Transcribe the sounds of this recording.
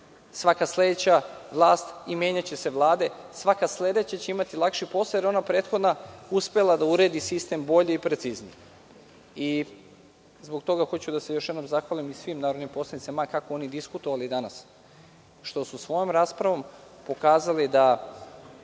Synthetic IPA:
sʋakasled̪et͡ɕaʋlˠaːst̪imʲjeɲat͡ɕe̞se̞ʋlˠaːd̪e̞ | sʋakasle̞d̪e̞t͡ɕat͡ɕeimat̪ilˠakʃipo̞sajeɾo̞napɾe̞ːt̪xod̪nauspe̞lˠad̪auɾe̞ːd̪isist̪e̞mbo̞ʎiipɾet̪siznḭ | i | zbo̞kt̪o̞ɡaxo̞t͡ɕud̪ase̞joʃjd̪nomzaxʋalimisʋimnaːɾod̪nepo̞slˠad̪it̪semakakoo̞nid̪iskut̪o̞ʋalid̪anas | ʃt̪o̞susʋo̞jomɾaːspɾaʋo̞m | po̞kaːzalid̪a

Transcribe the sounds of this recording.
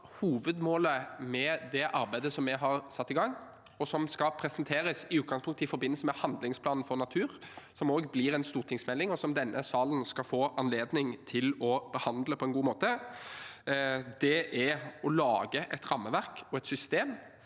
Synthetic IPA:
huːʋəd̪moːləmɛd̪ɛʔɑɾbæɪd̪əsɔmɛɦɑʁsɑt̪ːɪɡɑŋː | ɔsɔmskɑpʰɾɛsɛnt̪ʰeːɾəsɪʉːt̪̚ɡɑŋspʰʊŋkt̪ɪfɔɾbɪnːəlsəmɛhɑnd̪lɪŋspʰlɑːnn̩fɔʁnɑt̪ʰʉːʁsɔmoːɡblɪɾɛnst̪uːɾt̪ʰɪŋsmɛlːɪŋɔsɔmd̪ɛnːʔəsɑːln̩skɑfoːʔɑnleːd̪nɪŋt̪ʰɪlɔb̥əhɑnd̪ləpʰɔɛnɡuːmoːt̪ə | d̪ɛʔæɔlɑːɡəʔɛt̪ɾɑmːəʋæʁkɔɛt̪sʏst̪eːm

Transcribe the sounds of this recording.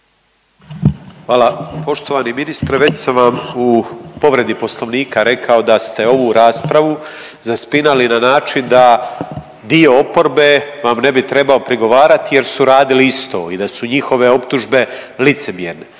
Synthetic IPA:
xʋaːlˠapo̞ʃt̪oʋaːniminist̪ɾeʋe̞t͡ɕsamʋamupo̞ʋɾe̞d̪ipo̞slˠo̞ʋniːkaɾe̞kʰao̞d̪ast̪e̞o̞ʋuɾaːspɾaʋu | zaspinalinanaːt͡ʃind̪a | d̪io̞opo̞ɾbe̞ʋamne̞bit̪ɾe̞bao̞pɾiɡo̞ʋaːɾat̪ije̞ɾsuɾaːd̪iliist̪o̞̰ːid̪asuɲixo̞ʋe̞o̞p̚t̪uʒbe̞ | lit̪se̞mjeɾne

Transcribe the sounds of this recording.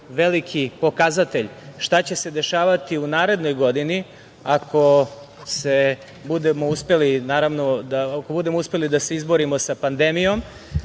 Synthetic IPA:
ʋe̞likʰipo̞kazat̪e̞ʎʃt̪at͡ɕe̞se̞d̪e̞ʃaːʋat̪iunaːɾe̞d̪no̞jɡo̞d̪ini | ako̞ | se̞ | bud̪emouspe̞linaːɾaʋno̞d̪ako̞bud̪e̞mouspe̞lid̪ase̞izboɾimosapand̪emijo̞m

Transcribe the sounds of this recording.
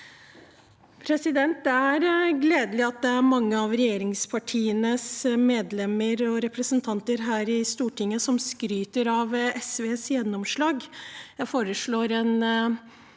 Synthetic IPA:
pʰɾɛsɪd̪ɛnt̪̚d̪ɛæɾɡleːd̪lɪɑt̪̚d̪ɛæɾmɑŋːəɑʋɾɛjeːɾɪŋspʰɑʈʰiːənəsmeːd̪lɛmːəɾɔɾɛpɾəsənt̪ʰɑnt̪əɾɦæːɾɪst̪uːʈʰɪŋːəsɔmskɾyːt̪əɾɑʋɛsʋeːsjɛnːɔmʂɭɑːɡjæɪfoːɾəʂɭoːɾɛn

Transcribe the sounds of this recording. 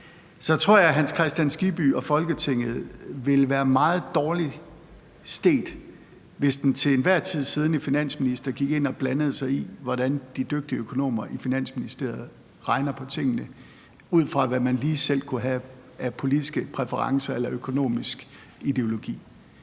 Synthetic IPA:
sɒ̽t͡sʰʁo̝ɐ̰jɑ̈ɦænskʰʁɛsd̥jænsɡ̥ib̥y̰ɒ̽fɒ̽lɡ̥ət͡sʰe̝ŋ̰ð̩ˠʋe̝lʋæːɐmɑ̈ːð̞̩ˠd̥ɒːli | sd̥e̝̰ːd̥ | ʋe̝sd̥ent͡sʰe̝lenʋæɐ̰t͡sʰið̞̰ˠsiːð̞ˠn̩ifinæn̰sminisd̥ɐɡ̥iɡ̥e̝n̰ɒ̽b̥lænəð̞̩ˠsɑ̈ɪiʋɒd̥ænd̥id̥øɡ̥̚d̥iəøkʰo̝no̝̰ːmɐʔifinæn̰sminisd̥e̝ɐ̰ð̩ˠ | ʁɑ̈ɪnɐpʰɒ̽t͡sʰe̝ŋ̰nə | uð̞̰ˠfʁɑ̈ʋæmænliːsel̰kʰuɦæ | æpʰo̝lid̥isɡ̥əpʰʁɛfəʁɑ̈ŋsɐelɐøkʰo̝no̝̰ːmisɡ̥ | id̥e̝o̝lo̝ɡ̥ḭː

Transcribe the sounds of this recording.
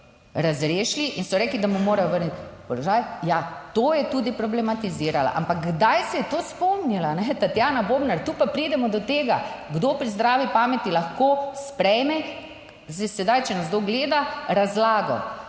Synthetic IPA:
ɾazɾeːʃliʔinsɔɾɛːklid̪amumoːɾajɔʋəɾnit̪pɔlɔʒaːjjat̪oːjɛt̪uːd̪ipɾɔblɛmat̪iziːɾala̰ʔa̰mpakɡd̪ajsɛjɛt̪oːspɔmnilanɛt̪at̪janaboːbnaɾt̪upapɾiːd̪ɛmɔd̪ɔt̪eːɡaɡd̪oːpɾizd̪ɾaːʋipaːmɛt̪ilaxkoːspɾɛjmɛ | ɛsɛd̪ajt͡ʃɛnazd̪oɡleːd̪aɾazlaːɡɔ̰

